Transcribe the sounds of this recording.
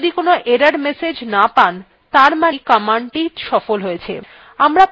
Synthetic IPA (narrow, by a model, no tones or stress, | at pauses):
d̪ikonoʔeɾaɾmesed͡ʑnapan | t̪aɾmaikamaɳʈiʃɔfolɦojet͡ɕʰḛ | amɾa